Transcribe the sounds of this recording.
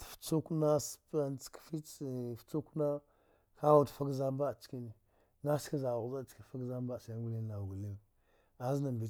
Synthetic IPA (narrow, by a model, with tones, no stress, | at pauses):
ft͡su˦kna˦spa˦nt͡skfi˦˨ft͡su˦kna˦ | ka˦wu˦˨tfa˦ɡza˦m˦ba˦˨t͡ʃki˦ni˨ | na˦ski˦za˨ɣza˦˨t͡ʃki˨fa˦ɡza˦mba˦˨ʃa˨˦ɡu˦li˦n˨na˨ɡu˨li˦n˨ | a˨zna˨bi˨